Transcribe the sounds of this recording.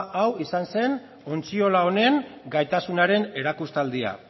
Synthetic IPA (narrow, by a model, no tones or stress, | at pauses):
ʔawisanse̞n | o̞nt͡sio̞lao̞ne̞ŋɡajt̪asunaɾe̞ne̞ɾakust̪ald̪ia̰